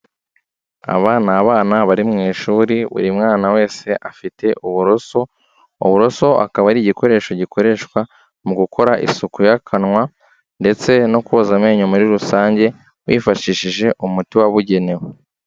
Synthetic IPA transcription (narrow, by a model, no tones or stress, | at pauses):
a̰βaːnaːβaːnaβaɾimŋiːʃuːɾiβṵɾimŋaːnawe̞ːse̞ʔafite̞ʔuβuɾoso | uβuɾo̞so̞a̰kaβaɾiɟiko̞ɾe̞ːʃo̞ɟikʰo̞ɾe̞ʃkwa | muɡukʰo̞ɾaʔḭsukujakʰanŋwa | nde̞t͡se̞no̞kuozameːɲumuɾiɾusaːɲɟe̞ | wḭːfaʃiːʃiʒe̞ʔumutiwaβuɟe̞ne̞we